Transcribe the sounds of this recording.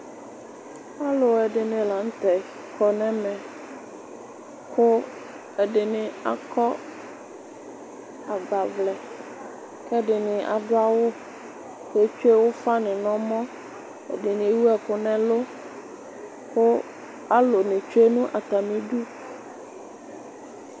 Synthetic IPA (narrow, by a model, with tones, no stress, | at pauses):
a˦lo˨ɛ˨ɖɪ˨nɪ̃˨la˨n̩˦t̪ɛ˨ | kʰɔ˨nɛ̃˦mɛ̃˨ | kʰo˦ | ɛ˨ɖɪ˨nɪ̃˨a̰˨kɔ˦ | a˨ɡ͡ba˨vlɛ˨ | kɛ˦ɖɪ˨nɪ̃˨ʔa̰˨ɖʊ˦a˦wo˦ | ke˦t͡ʃu˦e˦wo˦fa˦nɪ̃˨nɔ̃˦mɔ̃˦ | ɛ̰˨ɖɪ˨nɪ̃˨˦wu˦ɛ˨kʊ˦nɛ̃˦lo˦ | ko˦ | a˦lo˨nɪ̃˨t͡ʃu˦e˦nũ˦ʔa˨t̪a˨mĩ˦ɖu˦